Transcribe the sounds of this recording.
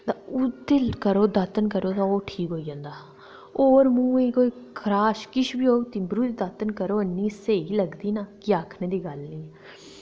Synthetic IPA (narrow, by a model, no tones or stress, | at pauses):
t̪aʊt̪eːlkəɾoːd̪ət̪ənkəɾoːt̪ãːoːʈʰiːkɦoːiːd͡ʒãːnd̪aː | oːɾmũːeːkoːiːkʰɾaːʃkɪʃbiːoːt̪iːbɾuːd̪id̪at̪ənkəɾoːənːĩːseːiːləɡd̪iːnaːkɪaːkʰnẽːd̪iːɡəlniː